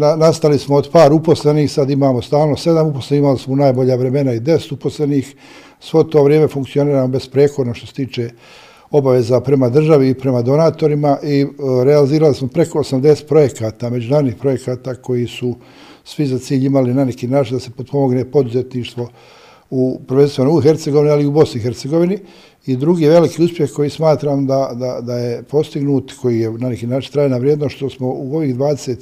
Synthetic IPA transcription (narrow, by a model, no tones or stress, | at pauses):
nanast̪alismood̪paːɾupo̞sle̞niːxsad̪imaːmost̪aːlˠnose̞d̪amuposlenihimalismonajbo̞ʎaʋɾe̞me̞naid̪e̞se̥t̪upo̞sleniːx | sʋot̪o̞ːʋɾjeːme̞fuŋkt̪sio̞niːɾaːmobe̞spɾeːkod̪noʃt̪ose̥t̪iːt͡ʃeː | o̞baʋe̞zapɾe̞mad̪r̩ʒaʋiːpɾe̞mad̪o̞naːt̪o̞ɾimaʔiɾealiziːɾalismopɾe̞ko̞osamd̪e̞se̥t̪̚pɾo̞je̞kaːt̪aːme̞d͡ʑunaːɾd̪niːxpɾo̞je̞kaːt̪aːko̞jisu | sʋizat̪siːʎimalinane̞kiːnaːt͡ʃind̪ase̞pod̪̚po̞mo̞ɡneːpo̞d̪uze̞t̪niːʃt̪ʋo̞ | upɾʋe̞nst̪ʋonooxe̞ɾt̪seɡo̞ʋinialiubo̞snixe̞ɾt̪se̞ɡo̞ʋini | id̪ɾuɡiːeʋe̞likiːuspjexko̞jiːsmaːt̪ɾaːmd̪ad̪ad̪ajepo̞st̪iɡnuːt̪kʰo̞jijenanekiːnaːt͡ʃint̪ɾaːjenaʋɾjeːd̪noʃt̪ʃt̪osmo̞uo̞ʋiːɣd̪ʋaːd̪eset̪